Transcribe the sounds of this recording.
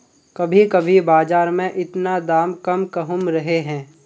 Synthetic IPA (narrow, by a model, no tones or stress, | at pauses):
kɐbʱikɐbʱibaːd͡ʒaːɾmẽʔɪt̪nad̪aːmkɐmkɐɦʊmɾɐɦeɦɛ̃ː